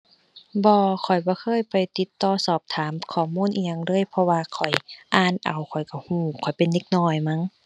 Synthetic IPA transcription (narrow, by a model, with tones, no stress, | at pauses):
bɔː˧kʰɔ˨˩jbɔː˧˦kʰɤː˧˥˨jpa˨˩jt̪i˧˦t̪ːɔː˧˩sɔː˨˩p̚t̪ʰaː˨˦mkʰɔː˨˩muː˧˥˨nʔiː˧ɲa˧ŋɾɤː˧˥˨jpʰɔ˧waː˧kʰɔ˨˩jʔaː˧˨nʔa̰˨˩wkʰɔ˨˩jka˧˩huː˧˩kʰɔ˨˩jpe˨nːe˧k̚nɔː˧˩jma˧˥˨ŋ